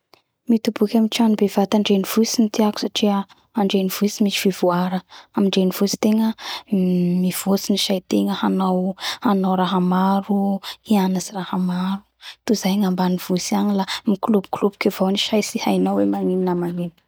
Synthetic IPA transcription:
mit̪ubukʲamiʈ͡ʂanibev̥at̪aɳɖ͡ʐeniv̥usint̪iaku̥saʈ͡ʂiə | aɳɖ͡ʐeniv̥usimit͡ʃi̥v̥ivuaɾəamiɳɖ͡ʐeniv̥usi̥t̪eŋə | miv̥osiniʃajt̪eŋəhanawhanawɾaɦamaɾuianazirahəmaɾut̪uzajŋambaniv̥usianilamiklubu̥klubu̥kʲevawniʃajsihajnawemaŋininamaŋini̥

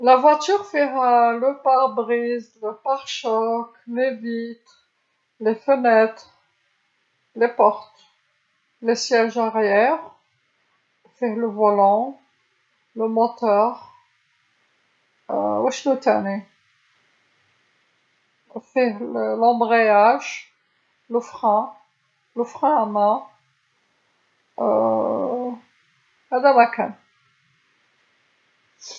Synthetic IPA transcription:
lavwat̪yʁfɛʁləpaʁbʁizləpaʁʃɔklevit̪ | lefənɛt̪χ | lepɔʁt̪ | lesjɛʒaʁjɛʁ | fɛʁləvɔlɑ̃ | ləmɔt̪œʁ | wæʃnut̪æne | fɛhləlɑ̃bʁejaʒ | ləfχæ̃ | ləfχæ̃amæ̃ | hæd̪æmakæ̃

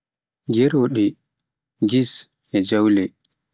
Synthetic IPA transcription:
ɡɛɾoɗi | ɡis | ɛd͡ʒawlɛ

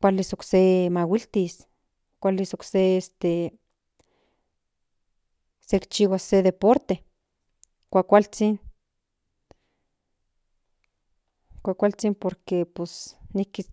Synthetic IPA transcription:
kʷalisoksemawilt̪is | kʷalisokseest̪e | sekt͡ʃiwaseðepoɾt̪e | kʷakʷalt͡sin | kʷakʷalt͡simpoɾkeposniki

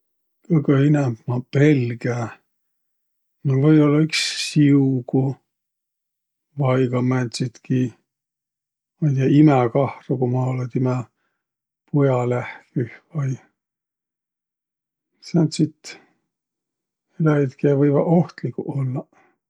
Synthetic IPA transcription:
kɤɡeinɛmbmɑpe̞lɡæ | novɤjo̞lːɑyksːiuku | vɑjkɑmænt̪sit̪ki | mɑjt̪iɑimækɑhrukumɑlɑt̪imæ | pujɑlæhkyhvɑj | sænt̪sit̪ | elæit̪kiɑvɤjvɑo̞ht̪likṵʔolːɑ

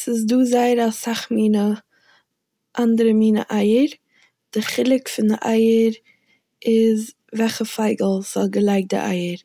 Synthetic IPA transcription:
sɪs̬duːzaɪəɾasaχmiːnə | ʔandəɾəmiːnə̰ʔaɪəɾ | d̥ɪχɪlˠɪkfɪndɪʔaɪəɾ | ɪz | vɛχəfaɪɡl̩ˠz̥ɔlˠɡəlˠaɪk̚dɪ̰ʔa̰ɪəɾ

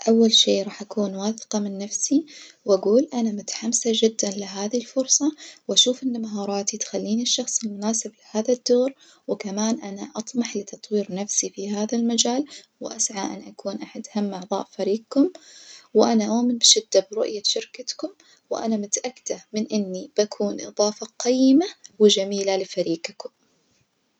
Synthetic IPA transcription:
ʔawːalʃeːʔɾˤɑːħʔakuːnwɑːθqɑmɪnːafsiwʔaɡuːlʔanamʊt̪ḁħamsad͡ʒɪd̪ːanlɪɦaːðilfʊɾsˤɑwʔaʃuːfʔɪnːamaɦɑːɾˤɑːt̪it̪xalːiːniʃːɑxsˤɪlmʊnaːsɪblɪhaːðad̪ːoːɾ | wɪkamaːnʔanaʔɑt̪ˤmɑħlɪt̪ɑt̪ˤwiːɾnafsifiɦaːðalmad͡ʒaːl | wɪʔasʕaʔɪ̰nʔakuːnʔaħad̪hamːʔɑʕðˤɑ̰ːʔfaɾiːɡkʊmwɪʔanaʔoːmɪnbɪʃɪd̪ːabɾʊ̰ʔjaʃɪɾkat̪kʊm | wʔa̰namʊt̪aʔakːd̪amɪnʔɪnːib̥akʰuːnʔɨ̰ðˤɑːfɑqɑjːɪmawɪd͡ʒamiːlalɪfaɾiːqkʊm

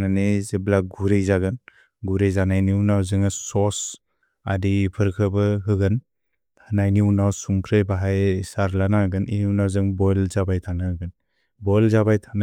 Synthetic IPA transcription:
nanezeblaɡuɾejzaɡɯn | ɡuɾejzanajniwnawzɯŋasɔs | a̰dipʰɯɾkʰɯbɯɦɯɡɯn | hɯnajninawsumkʰɾɯjbaɦajsaɾlanaɡɯnʔḭniwnawzɯŋbɔjlzabajtʰanaɡɯn | bɔjlzabajtʰana

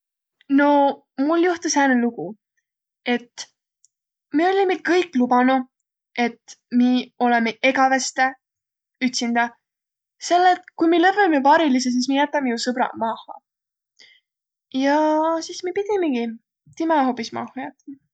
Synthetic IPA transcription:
no̞ | mulːjuht̪ushæːnuluɡu | e̞t̪ː | meo̞lʲimelkɤjkˑlubɑnu | e̞t̪ːmio̞lemeʔe̞ɡɑvest̪e | yt̪ʲsind̪̥ɑ | se̞lːet̪kujmilɤpːemejupɑɾilis̬es̬is̬mijæt̪ːˑɑmijusɤbɾɑ̰mɑhɑ̰ | jɑsismipid̪ʲimeɡ̥i | t̪imɑɦo̞pːˑismɑ̰hɑjæt̪ːˑɑm

